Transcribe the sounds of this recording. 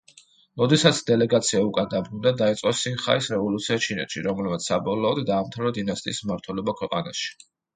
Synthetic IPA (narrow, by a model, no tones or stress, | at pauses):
ɾɔd̪ɛsat̪sʰd̪ɛlɛɡat̪sʰiaukʼad̪abɾund̪ad̪ait̪sʼqʼɔsinχa̰isɾɛvɔlut̪sʰiat͡ʃʰinɛ̰t̪ʃḭɾɔmlɛbmat̪ssabɔlɔːd̪d̪aːmt̪ʰavɾɔd̪inast̪ʼḭːsmaɾt̪ʰwɛlɔbakʰwɛqʼana̰ʃi̥